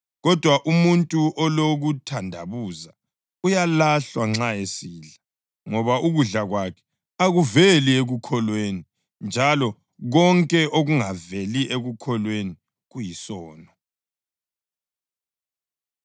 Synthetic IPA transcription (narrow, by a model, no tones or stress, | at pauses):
ɣɔd̥ʱwaʔumuntʼuʔɔloɣutʰandʱa̰βuza | ujalaɬwaŋ͡ǁaesiːɮa | ŋɔβauɣuɮaɣwakʰɛ̥ | aɣuvelieɣukʰɔlweni | nd͡ʒʱalɔ | ɣɔŋkʼɛʔoɣuŋaveliʔeɣukʰɔlweni | ɣujisɔːnɔ